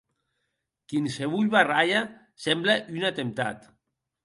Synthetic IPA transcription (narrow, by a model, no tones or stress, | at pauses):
kinseβuʎβaraʎa | sɛmblaʔynat̪emt̪a̰t̪